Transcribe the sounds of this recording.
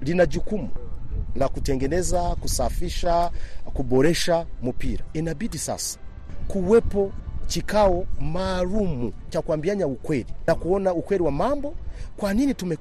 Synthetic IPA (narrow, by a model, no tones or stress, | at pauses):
linad͡ʒukumunakutɛŋɡɛnɛzakusafiʃakubɔɾɛʃamupiɾaɛnabidisa̰sḁ | kuwɛpɔt͡ʃikawɔmaːlumut͡ʃakwambiaɲaukwɛɾinakuɔnaukwɛɾiwamambɔkwaninitumɛ